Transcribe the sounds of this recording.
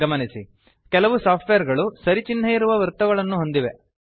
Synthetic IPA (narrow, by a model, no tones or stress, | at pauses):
ɐmɐnisi | kɛlɐʋusaːpʈʋejɐɾɡɐɭusɐɾit͡ʃinːɐjiɾuʋɐʋɐɾt̪ɐɡɐɭɐnːuɦo̞nd̪iʋe̞